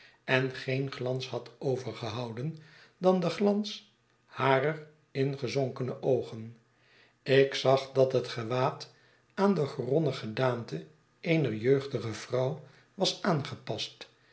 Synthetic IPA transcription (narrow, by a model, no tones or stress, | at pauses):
ɛnχejnχlɑnsɦɑtowvəɹχəɦɑwdən | dɑndəχlɑns | haːrər | ɪnχəzoŋkənəʔowχən | ɪksɑχdɑtɦətχəʋaːt | aːndəχrɔnəχədaːmtə | ʔejnəɹjøɥχdəχəv̥rɑw | ʋɑsaːnχəpɑst